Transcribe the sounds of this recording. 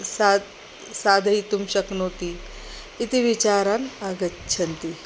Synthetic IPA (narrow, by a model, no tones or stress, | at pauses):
sa | sad̪ʱəit̪umɕɐknoːt̪iː | t̪iʋit͡ɕaɾanaɡɐtːɕʰɐnt̪i